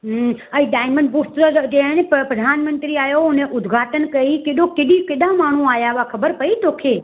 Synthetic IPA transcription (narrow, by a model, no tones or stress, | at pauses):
ɦəiɖaːjməɳɖpust̪ɾəd͡ʒẽneppɾəd̪ʱaːnmənt̪ɾiaːjoʊneʔʊd̪ɡʱaːʈənkəikeɗõkeɗikeɗãmaːɳ̤ũajaʋakʰəbəɾpəit̪oːkʰe